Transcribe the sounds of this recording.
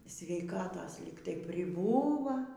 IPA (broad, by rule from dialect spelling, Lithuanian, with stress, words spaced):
sʲʋʲɛɪˈkɑːtoːs ˈlʲiːk tɐɪ pʲrʲɪˈbuːʋɐ